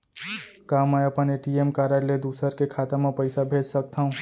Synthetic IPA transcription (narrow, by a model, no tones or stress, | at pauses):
kaməjəpəneʈiemkaɾəɾled̪usəɾkekʰat̪amãpəɪsabʱed͡ʒsək̚t̪ʰaɦũ